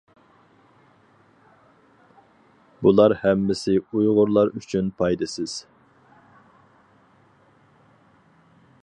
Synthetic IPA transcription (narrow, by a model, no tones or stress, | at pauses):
bulˠɑɾhɛmːɪsɪujʁʊɾlˠɑɾyt͡ʃʰynpʰɑjd̪ɨsɪz̥